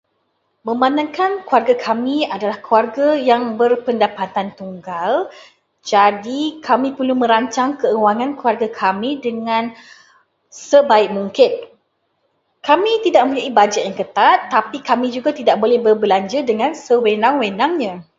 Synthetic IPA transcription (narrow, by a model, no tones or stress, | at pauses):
mə̃mbanãŋkankuarɡakʰamĩadalahkuarɡajaŋbərpəndapat̪ant̪uŋɡal | d͡ʒadikamĩpəlumə̃ɾaɲt͡ʃaŋkəəwaŋãnkuarɡakʰamĩdəŋãn | səbaɪk̚muŋkɪn | kamĩt̪idaʔ̚məmpuɲaʔibad͡ʒatʔ̚jaŋkət̪at̪ːapikamĩd͡ʒuɡat̪idaʔ̚bolɛhbərbəlaɲd͡ʒədəŋãnsəwenãŋwenaŋɲã